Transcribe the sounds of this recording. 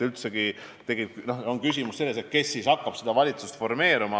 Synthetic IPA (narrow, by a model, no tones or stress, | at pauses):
ylt̪seɡi | t̪e̞ɡit̪no̞oŋkysʲimusse̞lːe̞set̪̚ke̞sːiːsɑkːɑb̥sed̪̥ɑvɑlʲit̪sust̪fo̞rme̞ːɾumɑ